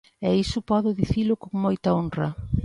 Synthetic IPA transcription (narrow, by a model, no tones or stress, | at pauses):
ɛisʊpɔðʊðiθilʊkoŋmojt̪ɐonrɐ